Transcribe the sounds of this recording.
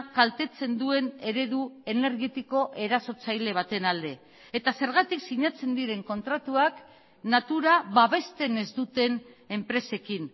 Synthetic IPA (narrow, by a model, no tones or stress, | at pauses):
kalt̪e̞t͡se̞nd̪ue̞ne̞ɾe̞ðue̞ne̞ɾɣet̪iko̞ʔe̞ɾaso̞t͡sajle̞β̞at̪e̞nald̪e̞ | et̪ase̞ɾɣ̞at̪iksiɲat͡se̞nd̪iɾe̞ŋko̞nt̪ɾat̪uak | nat̪uɾaβaβe̞st̪e̞ne̞zd̪ut̪e̞ne̞mpɾe̞se̞kin